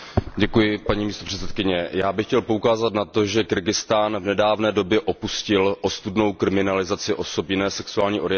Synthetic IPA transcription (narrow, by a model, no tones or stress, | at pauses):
ɟɛkujɪpaɲiːmiːst̪o̞r̥ɛt͡sɛt̪̚kɪɲɛjaːbɪxcɛlpo̞ukaːzat̪nat̪o̞ʒɛkɪɾɡɪst̪aːnvnɛdaːvnɛːdo̞bjɛʔo̞puscɪlʔost̪udno̞wkɾɪmɪnalɪzat͡sɪʔo̞sopjɪnɛːsɛksuaːlɲiːʔo̞ɾɪjɛ